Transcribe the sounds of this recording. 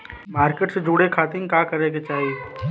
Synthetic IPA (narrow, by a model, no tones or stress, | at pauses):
maːɾkeʈsed͡ʒuːɽekʰaːt̪ɪ̃kakɐɾeɡet͡ʃaːɦie